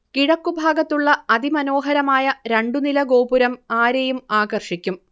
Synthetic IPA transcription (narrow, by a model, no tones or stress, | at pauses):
kiɽɐkːubʱaːɡɐt̪ːuɭːɐɐd̪imɐno̞ːɦɐɾɐmaːjɐɾeɳɖunilɐɡo̞ːbuɾɐmaːɾejumaːɡɐrʂikʲːum